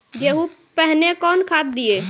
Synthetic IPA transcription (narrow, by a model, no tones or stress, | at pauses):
d͡ʒeɦupəɦnekɔnkʰat̪̚d̪ie